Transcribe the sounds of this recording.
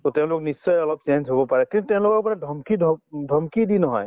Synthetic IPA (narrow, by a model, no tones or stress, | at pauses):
totɛʊ̃lʊk̚nisːɔjɔlɔp̚senzɦobɔpaɹɛkintutɛ̃ʊ̃lʊkɔapɔnadʱɔmkidʱdʱɔmkidinɔɦɔ̰j